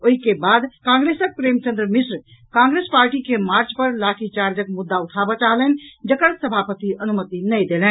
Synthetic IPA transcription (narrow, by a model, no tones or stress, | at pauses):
oɦikebad̪kãŋɡɾesək̚pɾemt͡ʃə̃nd̪ɾəmisɾ | kãŋɡɾespaɾʈikemaɾt͡ʃpəɾlakʰit͡ʃaɾd͡ʒəkmud̪ːauʈʰabat͡ʃaɦlɛnd͡ʒəkəɾsəbʱapət̪iənumət̪inəjd̪elɛn